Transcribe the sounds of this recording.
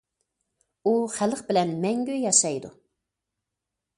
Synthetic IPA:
uχæləqbɪlɛnmɛŋɡʲyjɑʃɑjd̪ṵ

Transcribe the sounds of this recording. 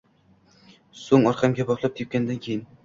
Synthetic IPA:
soŋɒɾqʰɑmɡʲabɒʁlˠap̚t̪ʰep̚ʲkʲand̪ankʲʰejɪn

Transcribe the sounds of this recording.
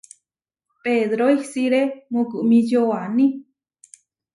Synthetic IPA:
peðɾoisiɾemoɡɨʔmĩd͡ʒoanĩ

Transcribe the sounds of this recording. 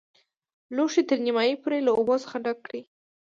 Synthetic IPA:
loʂet̪əɾnimɑjipoɾelaobosə̥xaɖakːɽi

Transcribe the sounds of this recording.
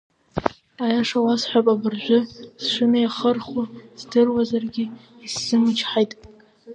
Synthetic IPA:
ajaʂawasħʷapʼabɨrʒʷʊsʂɨmajaχərχuz̥dɨrwazarɡʲɪː | sːɨmɨt͡ʃʰħajtʼ

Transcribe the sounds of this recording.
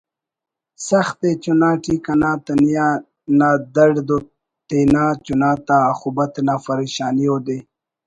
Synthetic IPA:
saxt̪et͡ʃunaːʈikanaːt̪anija | naːd̪aɽd̪o | t̪enaːt͡ʃunaːt̪aːxubat̪naːfɐɾeʃaːnijod̪e

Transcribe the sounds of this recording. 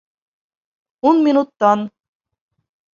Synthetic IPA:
unmʲinut̪ːɑn

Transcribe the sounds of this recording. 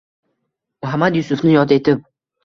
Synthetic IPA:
mʊɦamːad̪jʊsʊfnɪjɒt̪ɪe̞t̪ʰɪp̚

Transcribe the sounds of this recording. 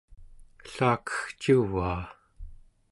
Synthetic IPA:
ɬaːkə̥xt͡ʃuvaː

